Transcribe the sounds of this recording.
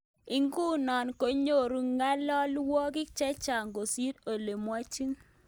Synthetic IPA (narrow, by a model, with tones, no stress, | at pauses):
i˨ŋɡu˦nɔ˨nko˨ɲo˦˨ɾu˨ŋa˦lɔ˦lwɔ˦kɪ˦kt͡ʃɛ˦t͡ʃa˨ŋɡo˨si˦to˨le˨mwa˦t͡ʃi˦ŋ